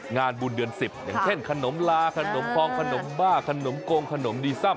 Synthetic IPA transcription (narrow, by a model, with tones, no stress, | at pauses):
ŋaː˧nbuː˨˩ndɯ˧ənsi˨˩p̚ja̰ː˨˩ŋt͡ɕʰe˥˩nkʰa˧no˩˦mlaː˧kʰa˧no˨˩˦mt̪ʰɔː˧ŋkʰa˧no˩˦mbaː˥˩kʰa˧no˩˦mkoː˧ŋkʰa˧no˩˦mdiː˧sa˥˩m